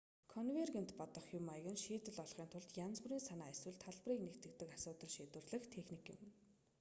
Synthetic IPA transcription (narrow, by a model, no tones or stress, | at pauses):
kʰɔnwerɣent̪pɔt̪ɞ̆χjʊmajɣɘ̆nʃiːt̪ɘ̆ɮɔɮχiːnt̪ʰʊɮt̪jant͡suɾiːnsanaːswɘ̆ɮt̪ʰːaɮpriːknekt̪ɘ̆k̚t̪ɘ̆kasʊːt̪ə̆ɮʃiːt̪wɘ̆rɮɘ̆xt̪ʰexnikɪ̰̆m